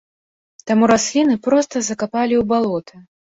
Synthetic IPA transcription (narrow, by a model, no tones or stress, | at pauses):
t̪amuɾasʲlʲinɨpɾɔst̪ɐzɐkapalʲiwbalˠɔt̪ʰɨ